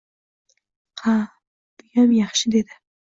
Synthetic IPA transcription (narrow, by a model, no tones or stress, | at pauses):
qʰɑ | b̥ʊjamjɑχʃɪd̪ed̪ɪ